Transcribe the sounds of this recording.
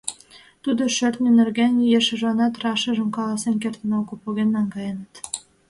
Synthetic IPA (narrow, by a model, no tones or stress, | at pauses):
t̪ud̪oʃørt̪nʲenɘ̆rɡenjeʃ̆ʒɑnɑt̪rɑʃə̆ʒə̆mkɑlˠɑsenkert̪ə̆nɑwɡopoɣʲenːɑŋɡɑjɤnɑt̪